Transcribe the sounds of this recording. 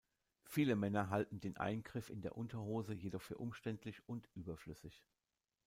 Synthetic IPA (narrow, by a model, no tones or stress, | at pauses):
fiːləmɛnɐɦaltn̩deːnʔa̰ɪnɡʁɪfɪ̰ndeːɐʔʊntɐhoːzəjedɔχfyːɐʔʊmʃtɛntʰlɪçʊntʔyːbɐflʏsɪç